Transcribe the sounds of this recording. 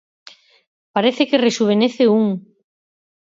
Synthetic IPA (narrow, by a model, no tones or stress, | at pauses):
paɾeθekeresuβ̞eneθeuŋ